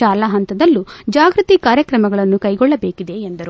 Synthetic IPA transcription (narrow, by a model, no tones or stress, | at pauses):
aːlaɦɐnt̪ɐd̪ɐlːud͡ʒaːɡɾut̪ikaːɾjɐkɾɐmɐɡɐɭɐnːukɐjɡɔɭːɐbeːkid̪e̞ːnd̪ɐɾu